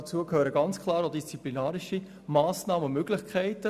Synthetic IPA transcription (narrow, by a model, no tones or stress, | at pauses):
t͡suəkʰhøːɾəɡɑnt͡skʰlɑːɾodist͡siplinaːɾɪʃi | maːsnɑːməʊmøɡ̥lɪχkʰæɪtə